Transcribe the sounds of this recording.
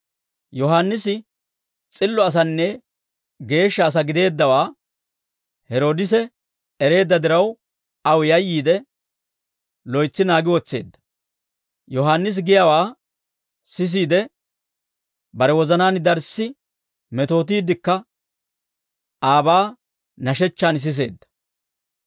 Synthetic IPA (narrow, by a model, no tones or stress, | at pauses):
jɔɦaːnːɪsɪ | t͡sʼɪlːɔɐs̬ɐnːɛ | ɡe̞ːʃːɐːs̬ɐɡɪd̪e̞ːd̪ːɐwaː | hɛɾo̞ːd̪ɪsɛ | ɛɾe̞ːd̪ːɐd̪ɪɾɐw | ɐwjɐjːiːd̪ɛ | lɔjt͡sːɪnaːɡɪwɔt͡sːe̞̰ːd̪ːɐ̥ | jɔɦaːnːɪs̬ɡɪjawaː | sɪs̬iːd̪ɛ | bɐɾɛwɔzɐnaːnd̪ɐɾsɪ | mɛt̪o̞ːt̪̬iːd̪ːɪkːɐ | ʔaːbaː | nɐʃɛt͡ʃːaːns̬ɪs̬e̞ːd̪ːɐ̥